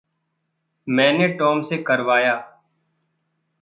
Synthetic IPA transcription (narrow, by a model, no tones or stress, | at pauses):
mɛ̃ːneːʈɔːmseːkəɾʋaːjaː